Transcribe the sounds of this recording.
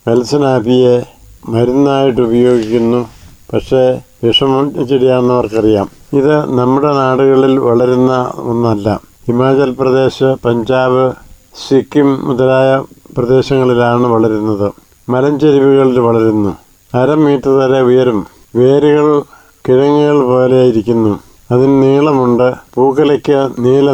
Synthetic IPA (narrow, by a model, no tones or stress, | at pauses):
ʋelsɐnaːd̪ʱije̞ | mɐɾunːaːjiʈ̬ːɨubɐjo̞ːɡikʲːunːupɐʈʂe̞ʋiʂɐmt͡ɕːiɽijaːnːɐʋɐrkɐrija̰ːmiðɨnɐmːuɽe̞naːɽuɣɐɭilʋɐɭɐɾunːɐonːɐlːɐ̰himaːd͡ʑɐlprɐd̪e̞ːɕɐpɐɲd͡ʑaːʋɨ | sikːumːuðɐlaːjɐprɐd̪e̞ːɕɐŋːɐɭilaːɳɨʋɐɭɐɾunːɐðɨ | mɐlɐɲd͡ʑɐɾiʋuɣɐɭilʋɐɭɐɾunːu | ɐɾɐmːiːʈːɐðɐːɾeujɐɾum | ʋe̞ːɾuɣɐɭ | kiɻɐŋːuɣɐɭpo̞ːleaːjiɾikʲːunːu | ɐðinniːɭɐmuɳɖɨpuːkːɐlɐkʲːɨniːlɐ